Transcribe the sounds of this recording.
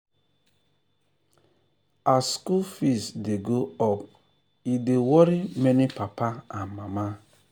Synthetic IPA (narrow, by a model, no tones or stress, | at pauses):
askulfistdeɡoɔp̚ | idewɔɾimɛnipapaanmama